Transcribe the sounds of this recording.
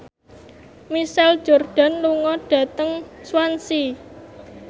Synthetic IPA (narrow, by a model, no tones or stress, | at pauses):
misald̥ʒ̥o̤rɖ̥a̤nluŋɔɖ̥ä̤t̪əŋswansi